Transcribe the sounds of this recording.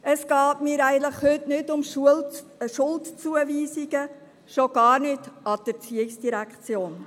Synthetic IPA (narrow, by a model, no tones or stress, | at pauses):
ɛsɡ̥ɑːtmiːɾæɪɡənləχhʏtnɪtʊmʃulʃʊltt͡suəviːsiɡ̥ə | ʃoɡ̥ɑːɾnɪtɑd̥əɾt͡siɪksd̥iɾækχt͡sjoːn